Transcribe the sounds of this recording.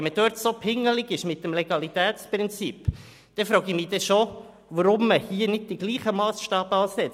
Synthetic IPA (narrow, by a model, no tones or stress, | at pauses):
məd̥œɾtsopʰɪŋːəlɪɡɪʃmɪt̚ːəmleɡ̥ɑlit̪æːtt͡spɾɪnt͡sip | d̥ɛfɾɔːɡimid̥̪ɛʃo | ʋəɾʊmːəhiːənɪd̚d̥iɡ̥liːχəmɑːsʃtɑːb̥ɑːsɛt͡s